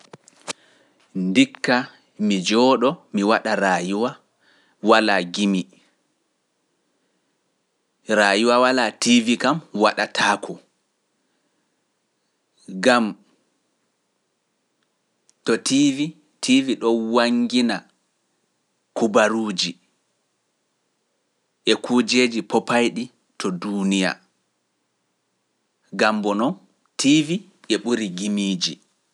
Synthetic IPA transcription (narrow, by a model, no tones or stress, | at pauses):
ndikːa | mid͡ʒɔːɗɔmiwaɗaɾaːjuwa | walaɡimi | ɾajuwawalativikamwaɗatʰaːkʰɔ | ɡam | tɔtʰivi | tʰiviɗɔwaŋɡina | kubaɾuːd͡ʒi | ʔɛkud͡ʒed͡ʒipɔpajɗi | tʰɔdunija̰ | ɡambɔnɔn | tʰivi | ʔɛɓuɾiɡimiːd͡ʒi